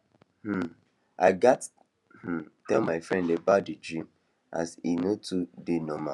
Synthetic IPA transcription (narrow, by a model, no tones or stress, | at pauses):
h̩ | ʔa̰ɪɡat | h̩tɛlmaɪfɹɛ̃ndebadid͡ʒɹĩm | ʔa̰sinotʰudenɔma